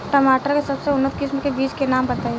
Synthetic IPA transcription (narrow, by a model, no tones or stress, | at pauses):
ʈəmaːʈəɾkesɐbseʊnːət̪̚kɪsmkebiːt͡ʃkenaːmbɐt̪aːe